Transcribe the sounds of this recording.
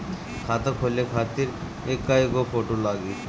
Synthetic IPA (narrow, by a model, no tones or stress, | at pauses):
kʰat̪akʰolekʰaɾt̪iɾ | ekːaikopʰoʈolaɡi